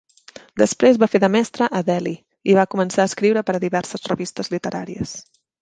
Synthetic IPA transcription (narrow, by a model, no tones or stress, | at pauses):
d̪əspɾezβafeðəmɛst̪ɾəʔəðɛli | iβ̞akumənsaəskɾiwɾəpəɾəðiβɛɾsəzrəβist̪əzlit̪əɾa̰ɾiə̰s